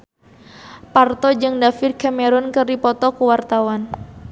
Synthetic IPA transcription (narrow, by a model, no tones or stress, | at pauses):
part̪ɔd͡ʒɨŋdafirkameɾʊnkəripɔt̪ɔkuwart̪awan